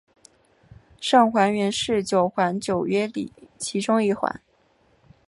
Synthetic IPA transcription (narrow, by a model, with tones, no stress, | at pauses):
ʂɑ˥˩ŋxwa˧˥nɥɛ˧˥nʂɻ̩˥˩t͡ɕjo˨˩ʊxwa˧˥nt͡ɕjo˨˩ʊɥɛ˥lḭ˨˩˦t͡ɕʰi˧˥ʈ͡ʂʊ˥ŋi˥˩xwa̰˧˥˦n